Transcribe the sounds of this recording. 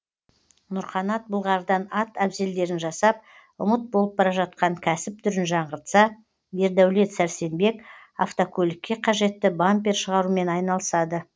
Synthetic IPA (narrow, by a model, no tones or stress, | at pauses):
nʊɾχɑnɑt̪̚bəlˠʁɑɾd̪ɑnɑt̪æbze̞ld̪e̞ɾɪnʒɑsɑp̚ | ʊmət̪̚bolˠəp̚bɑɾɑʒɑt̪̚qɑŋkʲʰæsɪp̚t̪ʰʏɾɪnʒɑɴʁəɾt̪sɑ | be̞ɾd̪æwle̞t̪sæɾse̞nbe̞k | a̰ft̪okʲʰɵlʲɪkʲːe̞qʰɑʒe̞t̪ːɪbampʲeɾʃəʁɑɾume̞nɑjnɑlˠəsɑd̪ə